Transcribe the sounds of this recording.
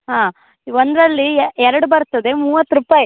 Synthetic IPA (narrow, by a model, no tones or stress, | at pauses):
ɦãː | ʋond̪ɾɐlːiɛɾɐɽubɐɾt̪ɐd̪e̞muːʋɐt̪ːɾupaːji